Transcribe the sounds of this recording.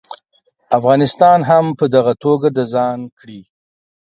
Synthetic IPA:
afɣɑnɪst̪ɑnɦampəd̪aɣat̪oɡad̪əzɑnkɽi

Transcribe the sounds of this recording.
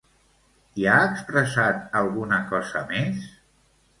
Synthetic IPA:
iaəkspɾəsat̪əlˠɣunəkɔzəmes

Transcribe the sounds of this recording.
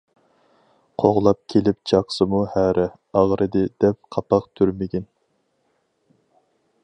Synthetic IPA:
qʰoʁlˠɑp̚kʲʰelɪp̚t͡ʃʰɑqsɨmuhæɾɛ | ɑʁɾʔɨd̪ɨd̪ɛp̚qʰɑpʰɑqt̪ʰyɾmɪɡʲin

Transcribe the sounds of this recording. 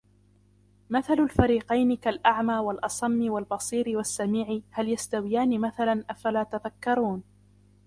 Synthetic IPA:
maθalalfaɾiːqɑjnɪkalʔaʕmaːwalʔɑsˤɑmːɪwalbɑsˤiːɾɪwasːamiːʕɪhaljast̪awɪjaːnɪmaθalanʔafalaːt̪aðakːɑɾˤuːn

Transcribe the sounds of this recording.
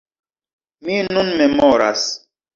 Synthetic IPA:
minunmemɔɾa̰s

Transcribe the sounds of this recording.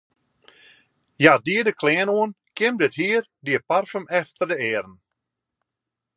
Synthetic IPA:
jadiədəkʰlɛːnoən | kʰɪmdɪthiːər | diəparfəmɛftərdəɛːɾən̩

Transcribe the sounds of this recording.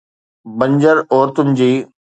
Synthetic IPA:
bɐ̃ɲd͡ʑəɾɔːɾt̪ʊnɪd͡ʑiː

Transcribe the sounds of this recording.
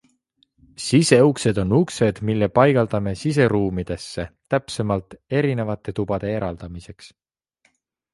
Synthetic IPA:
sise̞ukse̞d̪̥o̞nːukse̞d̪̥milːepɑjɡ̥ɑld̪̥ɑme̞sise̞ɾuːmid̪̥e̞sːe̞t̪æpse̞mɑlt̪ˑe̞ɾine̞vɑt̪ːˑe̞t̪ub̥ɑd̪̥e̞e̞ɾɑld̪̥ɑmise̞ks

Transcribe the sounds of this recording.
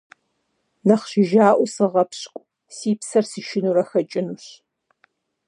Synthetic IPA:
nɐχɕɪʒaːʔʷɔsɨʁɐpɕkʷʼ | siːpsɐrsɨʃɪnuːɾɐxɐt͡ʃʼɪnuːɕ

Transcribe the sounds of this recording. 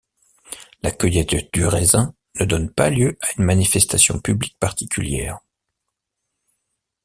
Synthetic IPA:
lakœjɛt̪d̪yʁezɛ̃ | nəd̪ɔnpaljøʔaynmanifɛst̪asjɔ̰̃pyblik̚paʁt̪ikʲyljɛ̰ːʁ

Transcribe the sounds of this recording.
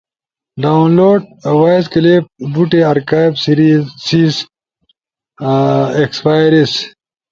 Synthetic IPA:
ɖaunloːɖ̚wajzkɐlep̚buʈeɐɾkaːjbsiɾisiːz | ekspaːjɾis

